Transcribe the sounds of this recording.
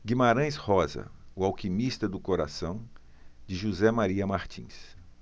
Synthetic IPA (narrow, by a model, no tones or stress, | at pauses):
ɡimaɾɐ̃j̃shɔzɐ̰ʊawkimist̪ɐd̪ʊkoɾa̰sɐ̃w̃ | d͡ʒɪʒuzɛmaɾiɐmaɾt͡ʃḭ̃s